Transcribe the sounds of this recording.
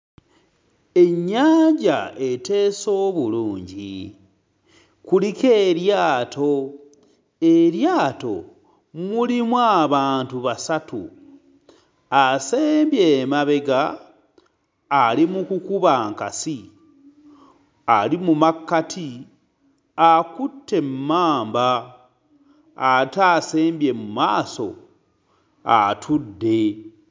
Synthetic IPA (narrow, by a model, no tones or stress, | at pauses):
e̞ɲːaːɲɟa̰ete̞ːso̞ːβuluːɲɟḭ | kulike̞ɾjaːtʰo̞ | eɾjaːto̞̰ | mulimwaːβaːntuβasatṵ | aseːmbjeːmaβe̞ɡa | limukukuβaŋkasi | alimumakːatʰi | akutːe̞mmaːmba | taseːmbje̞mumaːso̞̰ | atʰudːe̞